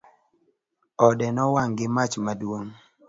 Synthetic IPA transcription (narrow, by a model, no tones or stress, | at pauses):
ɔdɛnɔwaŋɡɪmat͡ʃmadwoŋ